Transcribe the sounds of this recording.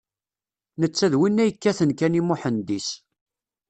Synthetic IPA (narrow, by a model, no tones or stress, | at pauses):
nət͡sːæðwinːæjəkːæθənkænimʊħənd̪is